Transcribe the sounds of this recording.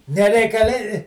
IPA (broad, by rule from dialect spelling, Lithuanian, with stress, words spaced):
nʲɛrʲɛɪkɐˈlʲɪ